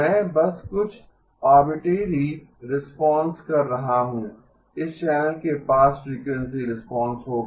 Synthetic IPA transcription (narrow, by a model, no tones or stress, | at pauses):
mɛ̃ːbɐskʊt͡ʃʰ | aːɾbɪʈeːɾi | ɾɪspɔ̃ːnskɐɾːɐɦaɦũ | ɪsʃɛːlkepaːsɾiːkwɛ̃ns̬iɾɪspɔ̃ːnsɦoːɡ